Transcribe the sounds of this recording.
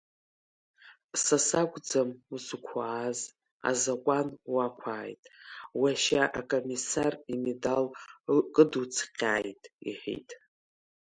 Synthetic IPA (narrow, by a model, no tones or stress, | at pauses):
sasaɡʷʼd͡zamusukʷʰaːz | a̰zakʷʼanwakʷʰaːjtʼwaʃaʔakʼomisarimedalkʼɨdut͡sʰqʲʼaːjtʼḭħḭtʼ